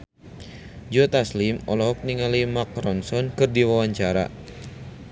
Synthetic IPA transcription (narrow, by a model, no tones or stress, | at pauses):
d͡ʒɔt̪aslimɔlɔɦɔk̚niŋalimakɾɔnsɔnkɨrdiwawaɲt͡ʃaɾa̰